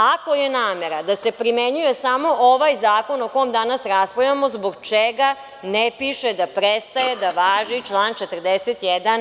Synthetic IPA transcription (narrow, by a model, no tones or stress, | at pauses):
ako̞jenaːmeɾad̪ase̞pɾimeɲujesamo̞ʔoʋajzaːko̞noko̞omd̪anasɾaspojamo̞zbo̞ɡt͡ʂeɡa | nepiʃed̪apɾest̪ajed̪aʋaːʒit͡ʃlˠaːnt͡ʃet̪r̩d̪eset̪jɛd̪an